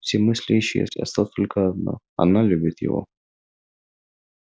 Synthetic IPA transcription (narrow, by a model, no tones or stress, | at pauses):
fsʲemɨsʲlʲeɕɪjə̰sʲɐ̰st̪at̪olʲkəɐd̪no̰ | ɐ̰nalʲubʲɪt̪jɪ̰vo̰